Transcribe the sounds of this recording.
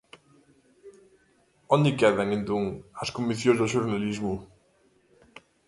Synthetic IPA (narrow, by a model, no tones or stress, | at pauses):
ɔnd̪ɪkɛðaŋẽnt̪oŋɐskomiθjõzðoʃ̬uɾnalizmʊ